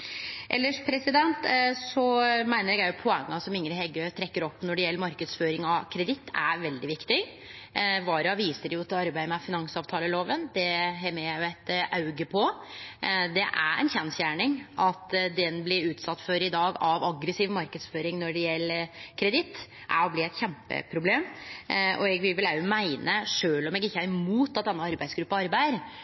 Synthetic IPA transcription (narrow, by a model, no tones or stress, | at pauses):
ʔɛ̰lːəʂpʰɾɛsɪd̪ɛnt̪sɔmæɪnəɾɛɡjæɪjʊpʰɔɛŋːɑsɔmɪŋɾəɦɛɡøːt̪ʰɾɛkːəɾɔpːnɔɖɪjɛlːəɾmɑɾkəd̪sføːɾɪŋɑkʰɾɛd̪ɪt̪ːæʋɛld̪ɪʋɪkt̪ɪ | ʋɑːɾɑʋiːsəɾɪjʊt̪ʰɪlɑɾbæɪəmɛfɪnɑŋsɑːʋt̪ʰɑːləloːʋənd̪ɛɦɛməjæɪjʊæɪt̪ʔɑʉɡəpʰɔ | d̪ɛʔæ̰ɾɛ̰ɪnçɛnsjæːɳɪŋɑt̪d̪ɛnblɪɾʉːt̪sɑt̪ːfɔɾɪd̪ɑːɡɑʋɑɡɾəsiːʋmɑɾkəd̪sføːɾɪŋnɔɖɛjɛlːəkʰɾɛd̪ɪt̪ː | ʔæ̰blɪɾæɪt̪çɛmpə̰pʰɾʊbleːm | ɔ̰ɛɡʋɪʋɪlæmæɪnʔəʂøːlɔmɛɡɪçːəɑɾɪmuːt̪ːɑt̪̚d̪ɛnːəɑɾbæɪsɡɾʉpːɑɑɾbæɪəɾ